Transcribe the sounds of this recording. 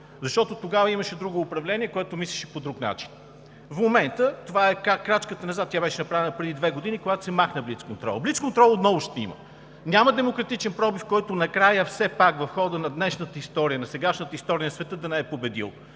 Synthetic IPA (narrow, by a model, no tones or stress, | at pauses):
zɐʃt̪ɔt̪ot̪oɡavəiməʃɛd̪ɾuɡoːpɾɐvlɛniɛkoɛt̪omislʲiʃɛ̥pod̪ɾukna̰t͡ʃi̥n | fmomɛnt̪ət̪ovaɛkɾakɾat͡ʃkət̪ənɐzat̪̚ːʲabɛʃɛnɐpɾavɛnəpɾɛd̪id̪vɛɡod̪inikoɡat̪o̥sɛmaxnəblit̪skont̪ɾɔ̰lˠblit̪skont̪ɾɔlˠot̪nɔvʊʃt̪ɛḭmə̰ | nʲaməd̪ɛmokɾɐt̪it͡ʃɛnpɾɔbifkɔjt̪onɐkɾajəfsɛpakvɐfxɔd̪ənɐd̪nɛʃnət̪əist̪ɔɾijənɐsɛɡaʃnət̪əist̪ɔɾiənɐsvɛt̪ɤd̪ɐnɛɛpobɛd̪ḭlˠ